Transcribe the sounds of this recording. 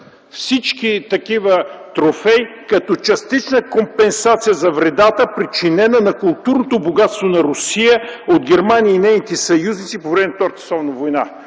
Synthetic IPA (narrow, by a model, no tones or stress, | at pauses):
fsit͡ʃkit̪ɐkivət̪ɾofɛjkɐt̪ɔt͡ʃɐst̪it͡ʃnəkompɛnsat̪sijəzɐvɾɛd̪at̪əpɾit͡ʃinɛnənɐkʊlˠt̪uɾnot̪oboɡat̪st̪vonɐɾʊsijəod̪ɡɛɾmaniiːnɛjnit̪ɛsɐjuznit̪sipovɾɛmɛnft̪ɔɾt̪ə̥sˠɔvnɐvojna